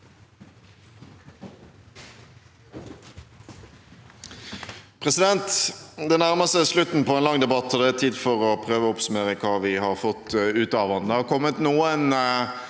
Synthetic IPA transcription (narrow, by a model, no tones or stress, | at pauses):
pʰʁɛsɪd̪ɛnt̪d̪ɛnæʁməsəslʉt̪n̩pʰɔɛnlɑŋd̪ɛbɑt̪ʰːɔd̪ɛæt̪ʰiːd̪fɔʁɔpʰʁøːʋəɔpsʉmeːʁəkʰɑːʋɪhɑːʁfɔt̪ʉːt̪ɑːʋənd̪ɛhɑːʁkʰɔmət̪nuːən